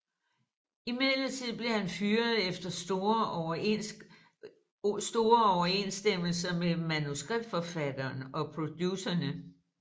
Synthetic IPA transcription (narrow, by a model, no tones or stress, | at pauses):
imeð̰lət͡sʰið̞̰ˠb̥le̝hænfyːɐðˠefd̥ɐ | sd̥o̝ːɐɒʊɐe̝nsd̥em̰l̩sɐmem̩mːænusɡ̥ʁib̥̚d̥fɒ̽fæd̥ɐːnɒ̽pʰʁo̝d̥jusɐnə